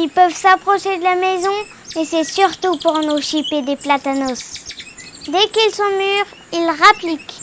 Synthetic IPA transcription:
ilpœvsapχɔʃed̪əlamɛzɔ̃ | esɛsyʁt̪upuʁnoʃiped̪eplat̪anɔs | d̪ɛkilsɔ̃myːʁ | ilʁaplik

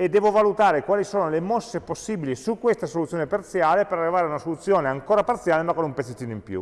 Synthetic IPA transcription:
ed̪ːɛːvovalut̪aːɾekwaːlisoːnolemosːeposːiːbilisukːwest̪asolut̪sjoːnepart̪sjaːlepeɾarːivaːɾeaunasolut̪sːjoːneaŋkoːɾapart̪sjaːlemakːonumpet̪ːet̪ːiːnoimpjṵ

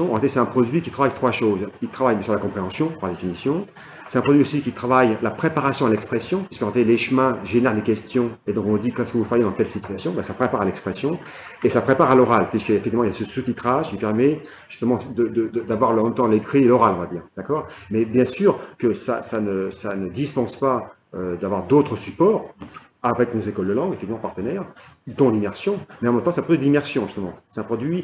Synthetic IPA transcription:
ɔ̃ʁet̪esɛt̪ɛ̃pχɔd̪ɥikʲi̥t̪χavajt̪χwaʃozilt̪χavajbjɛ̃syʁlakɔ̃pχeɑ̃sjɔ̃paʁd̪efinisjɔ̃ | sɛt̪ɛ̃pχɔd̪ɥiosikʲit̪χavajlapχepaʁasjɔ̃alɛkspχesjɔ̃pɥiskɑ̃ʁet̪eleʃmɛ̃ʒenɛʁd̪ekʲɛst̪jɔ̃ed̪ɔ̃kɔ̃d̪ikɛskəvufajed̪ɑ̃t̪ɛlsit̪ɥasjɔ̃bɛsapχepaʁalɛkspχesjɔ̃ | esapχepaʁalɔʁalpɥiskəefɛk̚t̪ivmɑ̃ijasəsut̪it̪χaʒkʲipɛʁmɛ | ʒy̥st̪əmɑ̃d̪əd̪əd̪əd̪avwaʁləmɛ̃mt̪ɑ̃lekχielɔʁalɔ̃vad̪iːʁd̪̥akɔːʁmɛbjɛ̃syːʁkəsa̰sanəsanəd̪ispɑ̃spa | ød̪avwaʁd̪ot̪χəsypɔːʁ | avɛkɔ̃zekɔld̪əlɑ̃ɡefɛkt̪ivmɑ̃paʁt̪ənɛʁ | d̪ɔ̃limɛʁsjɔ̃mɛɑ̃mɛmt̪ɑ̃sɛt̪ɛ̃pʰχɔd̪ɥid̪imɛʁsjɔ̃ʒyst̪əmɑ̃sɛt̪ɛ̃pχɔd̪ɥi

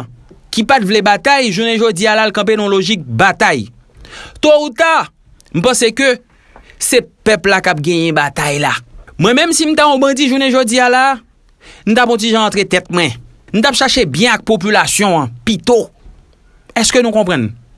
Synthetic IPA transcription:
kipat̪vlebat̪ajʒuneʒod͡zialalkɐ̃p̬enɔ̃loʒik̚bat̪aj | t̪out̪a | m̩pãsekø | sepɛplakap̚ɡɛ̃jɛ̃bat̪ajlamwɛ̃mɛ̃msim̩t̪aɔ̃bãdiʒuneʒod͡ziala | nũt̪̬apɔ̃t̬iʒãːt̪ʁet̪ɛt̪̚mwɛ̃ | nũt̪̬apʃaʃebjɛ̃ak̚pop̬ylasjɔ̃ãpit̪o | ɛskønũkɔ̃pʁãn

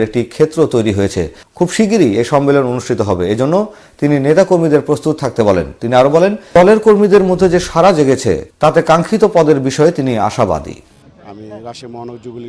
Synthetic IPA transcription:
ɾek̚ʈikʰet̪ːɾot̪ojɾiɦojet͡ɕʰḛ | kʰubʃiɡ̬iɾiejʃɔmːelononuʃʈʰit̪oɦɔbeed͡ʑonːo | t̪ininet̪akoɾmid̪eɾpɾost̪ut̪̚ʰak̚t̪ebɔlḛnt̪iniaɾobɔlenɔleɾkoɾmid̪eɾmod̪ʱːed͡ʑeʃaɾad͡ʑeɡet͡ɕʰḛt̪at̪ekaŋkʰit̪opɔd̪eɾbiʃɔet̪inia̰ʃaba̰d̪ḭ

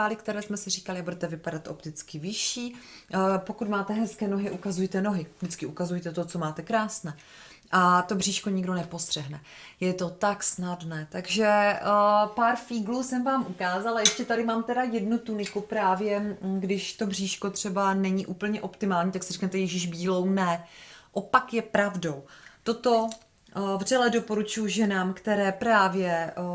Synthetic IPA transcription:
aːlɪkt̪ɛɾɛːsmɛsɪriːkalɪabudɛt̪ɛvɪpadat̪ʔo̞pt̪ɪt͡skɪvɪʃiː | po̞kut̪maːt̪ɛɦɛskɛːno̞ɦɪʔukazujt̪ɛno̞ɦɪvdɪt͡skɪʔukazujt̪ɛt̪o̞t͡so̞maːt̪ɛkɾaːsnɛː | ʔat̪o̞br̝iːʃko̞ɲɪɡdo̞nɛpo̞st̪r̥ɛɦnɛ | jɛt̪o̞t̪aksnadnɛːt̪aɡʒɛ | paːɾfiːɡluːsɛmvaːmʔukaːzalajɛʃcɛt̪aɾɪmaːmt̪ɛdajɛdnut̪unɪkupɾaːvjɛɡdɪʃt̪o̞br̝iːʃkot̪r̝̥ɛbanɛɲiʔuːpl̩ɲɛʔo̞pt̪ɪmaːlɲiːt̪aksɪrɛknɛt̪ɛjɛʒɪʒbiːlo̞wnɛʔopakjɛpɾavdo̞wt̪o̞t̪o̞ | vrɛlɛdo̞po̞ɾut͡ʃujuʒɛnaːmkt̪ɛɾɛːpɾaːvjɛ

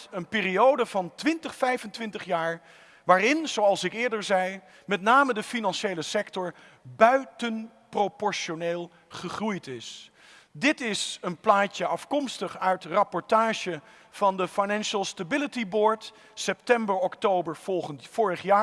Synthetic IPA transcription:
ənpɪːriowdəvɑntʋɪntəχfɛjvəntʋɪntəχjaːɹ | ʋaːrɪnz̥owɑlˠsɪkɪːɹdəɹzɛj | mɛtnaːmədəfinɑnʃejləsɛktɔɹ | bœɥtən | propɔɹʃoneːlˠ | χəχrujtɪs | dɪtɪsənplaːcəɑfkɔmstəχœɥtrɑpɔɹtaːʒə | v̥ɑndəfajnɛnʃəlˠstabɪlətibɔːɹt | sɛp̚tɛmbəɹɔktowbəɹfʊːɹəχjaː

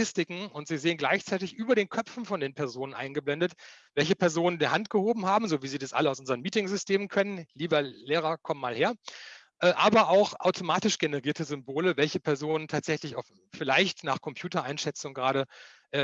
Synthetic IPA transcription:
ɪstɪkŋ̩ʊntz̥iːzeːənɡlaɪçt͡saɪtɪçʔyːbɐɾeːnkʰœfn̩fɔndeːnpʰɛɐzoːnənʔa̰ɪnɡəblɛndətvɛlçəpʰɛɐzoːnəndiːhantɡ̥əhoːbm̩ɦaːbm̩zoːviːziːdasʔa̰ləaʊsʔʊnzəɐʁənmiːtɪŋzʏstʰeːmənkʰœnənliːbɐleːʁ̞ɐkʰɔmənmaːlheːɐ | ʔɛːʔaːbɐʔaʊxʔaʊtʰomaːtɪʃɡ̥enəʁiːɐtəzʏmboːləvɛlçəpʰɛɐzoːnəntʰaːtz̥ɛçlɪçaʊf | fɪlaɪçtnaːχkʰɔmpʰjuːtɐʔaɪnʃɛt͡sʊŋɡʁaːɾəʔɛː

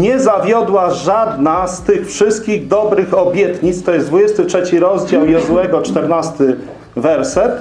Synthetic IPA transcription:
ɲɛzavʲjɔd̪waʐad̪nast̪ɘxfʂɘst̪̚kʲiɣd̪ɔbɾɘxɔbʲjɛt̪ɲit̪st̪ɔjɛsd̪vud͡ʑɛst̪ɘtʂɛt͡ɕiɾɔzd͡ʑawjɔzwɛɡɔt͡ʂt̪ɛɾnast̪ɘ | vɛɾsɛt̪

